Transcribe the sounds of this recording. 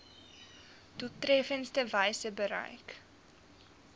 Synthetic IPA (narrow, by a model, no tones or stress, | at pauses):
tutrɛfənstəvɛjsəbəɾɛ̰jk